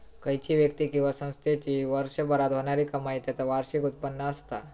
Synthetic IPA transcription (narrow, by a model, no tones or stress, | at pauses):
kəɦjt͡ɕiːʋjək̚t̪iːkĩw̃ʋasə̃w̃st̪ʰet͡ɕiːʋəɾɕəbəɾat̪ɦoɳ̃aɾiːkəmait̪jat͡saʋaɾɕikut̪̚pənːəəst̪a